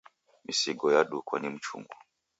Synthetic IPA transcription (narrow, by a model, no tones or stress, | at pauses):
misiɡɔjaɗukwanim̩t͡ʃṵŋɡɔ